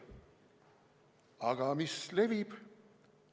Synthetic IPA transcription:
ɑɡ̥ɑmisle̞vib̥

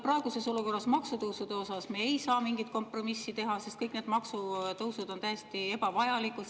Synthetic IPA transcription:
prɑeɡ̥use̞so̞luko̞rːɑsmɑksut̪ɤwsud̪̥e̞o̞sɑsmeejsɑːmiŋɡ̥it̪̚ko̞mpro̞misːit̪e̞ɦɑsest̪̚kɤjkneːd̪mɑksut̪ɤwsud̪̥o̞nt̪æjest̪ie̞bɑvɑjɑliku

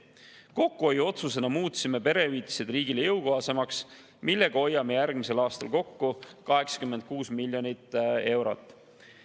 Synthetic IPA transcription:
ko̞kːuojo̞t̪suse̞nɑmuːt̪sime̞pe̞ɾe̞yiːt̪ʲːi̥se̞d̪̥riːɡilejɤwkoɦɑse̞mɑks | milːe̞ɡ̥ɑo̞jːɑme̞jærɡ̥mise̞lɑːst̪ɑ̰lko̞kːukɑɦe̞ksɑ̥kymːe̞nd̪̥̚kuːsmilʲːjo̞nit̪ːˑe̞wɾo̞̰t̪ːˑ

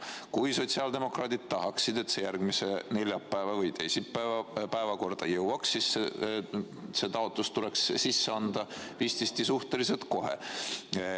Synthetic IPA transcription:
kujso̞t̪siɑld̪e̞mo̞krɑːd̪id̪̥̚t̪ɑɦɑksid̪̥e̞t̪se̞jærɡ̥mise̞ne̞lʲjɑpːæevɑvɤjt̪e̞jsipːpæevɑko̞rd̪̥ɑjɤwɑksːisse | se̞t̪ɑot̪ˑlust̪ule̞kssisːeɑnd̪̥ɑviːst̪ist̪isuht̪elise̞lt̪ko̞ɦḛ

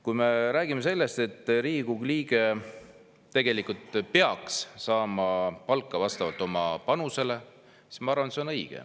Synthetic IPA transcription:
kujme̞ɾæːɡ̥ime̞se̞lːe̞st̪e̞t̪ːriːɡuɡliːɡ̥e | t̪ːe̞ɡ̥e̞likult̪peɑkssɑːmɑpɑlkːˑɑvɑst̪ɑvɑlt̪ːˑo̞mɑpɑnuse̞le̞ | si̥smɑɑɾrvɑnet̪seonɤjɡ̥ḛ

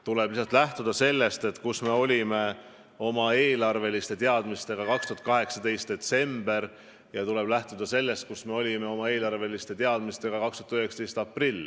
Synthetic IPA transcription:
t̪ule̞b̥lisɑt̪læht̪ud̪̥ɑse̞lːe̞st̪e̞t̪kusme̞o̞lʲime̞ | o̞mɑe̞ːlɑrve̞list̪e̞t̪e̞ɑd̪̥mist̪e̞ɡ̥ɑkɑkst̪uɦɑt̪kɑɦe̞ksɑd̪e̞jst̪̚d̪̥e̞t̪se̞mb̥e̞ɾ | jɑt̪ule̞b̥læht̪ud̪̥ɑse̞lːe̞st̪̚kusme̞o̞lʲime̞o̞mɑe̞ːlɑrve̞list̪e̞t̪eɑd̪̥mist̪e̞ɡ̥ɑkɑkst̪u̥ɑt̪yheksɑ̥t̪e̞jst̪ɑprilʲː

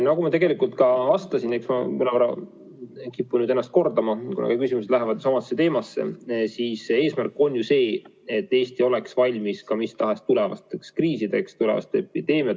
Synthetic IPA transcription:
nokumɑt̪e̞ɡe̞likult̪kɑɑst̪ɑsineksmɑ̰mɨnɑvɑɾɑ̰ | kipːunyːd̪e̞nːɑst̪ko̞rd̪̥ɑmɑkunɑ̰kɑkysimus̬e̥læɦevɑd̪̥jusɑmɑsːe̞t̪e̞ːmɑsːe̞̰siːse̞ːsmærkːˑo̞njuse̞ː | e̞t̪ˑːe̞ːst̪io̞le̞ksvɑlʲmiskɑmist̪ɑɦe̞st̪ule̞vɑ̰st̪ekskriːsid̪e̞kst̪ulevɑ̰st̪epːˑid̪̥e̞ːmiɑ

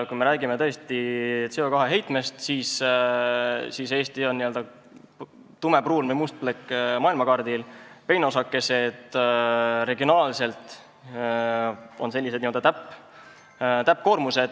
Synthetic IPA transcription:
kujme̞ɾæːɡimet̪ɤ̞e̞st̪iseo̞kɑɦe̞ɦejt̪me̞st̪siːs | sise̞ːst̪io̞nːiø̞ld̪ɑ | t̪ume̞pruːlmejmust̪̚plekːmɑːilmɑkɑrd̪̥ilpe̞jno̞sɑkːe̞se̞d̪̥ | ɾe̞ɡionɑːlse̞lt̪ | o̞nse̞lʲːis̬d̪nimo̞ld̪ɑt̪æpːˑ | t̪æp̚ːko̞ːɾmuse̞d̪̥

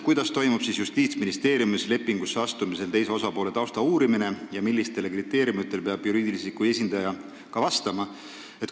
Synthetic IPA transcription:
kujd̪̥ɑst̪o̞jmub̥sisjust̪iːt̪sminist̪e̞ːɾjumisle̞pːˑiŋɡ̥usːeɑst̪umise̞lt̪e̞js̬e̞o̞sɑpo̞ːle̞t̪ɑwst̪ɑuːɾimine̞jɑmilːist̪e̞lkrit̪ːˑe̞ːɾjumit̪ːˑe̞lpeɑb̥juɾiːd̪̥ilisikuje̞s̬ʲind̪̥ɑjɑ | kɑvɑst̪ɑmɑ | e̞t̪̚

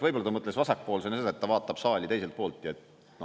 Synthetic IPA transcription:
vɤjbo̞lːɑt̪ɑmɤt̪ːˑlesvɑsɑk̚po̞ːlsenːɑseɑet̪ːɑvɑːt̪ːˑɑb̥sɑːlʲit̪e̞js̬elt̪̚po̞ːlt̪ˑjɑet̪ | no

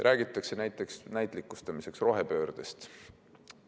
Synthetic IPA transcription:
rʔæːɡ̥it̪ːˑɑkse̞næjt̪ːˑe̞ksnæjt̪ˑlikːˑust̪ɑmiseksro̞ɦepø̞ːɾd̪̥est̪

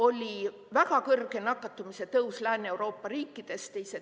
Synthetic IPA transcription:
o̞lʲi | væɡ̥ɑkɤrɡ̥e̞nɑkˑːɑt̪ːˑumise̞t̪ɤwslæːneewɾo̞ːpːɑɾiːkːˑid̪̥e̞st̪e̞jse

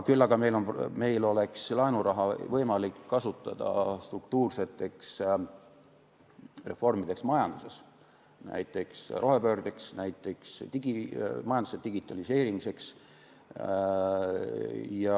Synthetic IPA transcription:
kylːɑɡ̥ɑme̞jlo̞npme̞jlo̞le̞kslɑenuɾɑɦɑvɤjmɑlikːɑsut̪ːˑɑ̰d̪̥ɑ̰st̪rukt̪uːrse̞t̪ːˑe̞ks | re̞fo̞rmid̪̥e̞ksmɑjɑnd̪̥use̞s | næ̰jt̪ːˑe̞ksrʔo̞ɦe̞pøːɾd̪̥eksnæjt̪ːˑe̞ksd̪iimɑjɑnd̪u̥sed̪iɡ̥it̪ːˑɑlise̞ːɾimise̞ks | jɑ

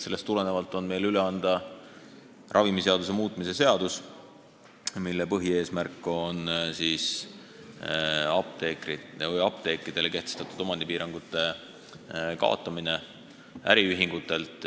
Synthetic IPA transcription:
se̞lːe̞st̪ːule̞ne̞vɑlt̪ːˑo̞nme̞jlyle̞ɑnd̪̥ɑ | rʔɑvimise̞ɑd̪us̬e̞muːt̪ːˑmise̞se̞ɑd̪̥us | milːe̞pɤɦie̞ːsmærkːˑo̞nsiːs | ɑp̚t̪e̞ːkɾivɤjɑp̚t̪e̞ːkɾid̪̥e̞leke̞ht̪est̪ɑt̪ːˑud̪o̞mɑnd̪̥ipiːɾɑŋɡ̥ut̪ːˑe̞ | kɑ̰ˑo̰t̪ːˑɑmine̞ | æ̰ɾiyɦiŋɡ̥ut̪ːˑe̞lt̪ˑ

